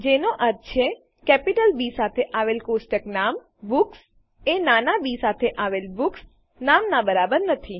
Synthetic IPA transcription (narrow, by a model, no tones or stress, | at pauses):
d͡ʒenoʔəɾt̪t͡ʃʰe | kɛpiʈəlbisat̪ʰeʔaʋelkosʈəknam | buks | enanabisat̪ʰeʔaʋelbuks | namnabəɾabəɾnət̪ʰi